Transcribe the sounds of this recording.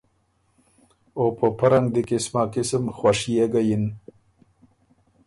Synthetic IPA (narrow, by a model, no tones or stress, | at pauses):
opəpaɾaŋɡd̪ikɪsmaːkɪsəmxwaʂijeɡajin